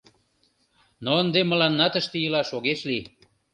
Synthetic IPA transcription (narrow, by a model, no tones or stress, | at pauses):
noənd̪eməlɑnːɑt̪əʃt̪ejəlɑʃoɣeʃli